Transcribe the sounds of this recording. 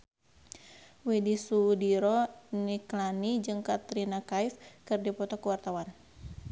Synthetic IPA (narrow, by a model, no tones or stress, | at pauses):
widisudiɾɔniklanid͡ʒɨŋkat̪ɾinakajfkɨrdipɔt̪ɔkuwart̪awan